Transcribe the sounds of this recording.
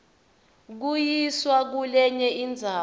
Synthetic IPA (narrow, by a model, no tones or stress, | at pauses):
k̬ujiswak̬ulɛɲɛʔind͡zʱaː